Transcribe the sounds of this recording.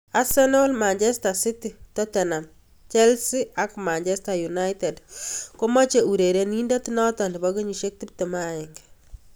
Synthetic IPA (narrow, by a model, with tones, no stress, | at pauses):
a˦sɛ˦no˦lma˨nt͡ʃɛ˦sta˨si˦ti˨tɔ˦tɛ˨na˨m | t͡ʃɛ˦lsi˦a˦kma˨nt͡ʃɛ˦sta˨ju˨na˦jte˨dko˦mɔ˦t͡ʃe˨u˨ɾe˨ɾe˨ni˦nda˦tnɔ˦tɔ˨ndi˨bɔ˦ɡi˦ɲi˨ʃe˦k̚ti˦p̚te˨ma˦ɪ˨ŋɡ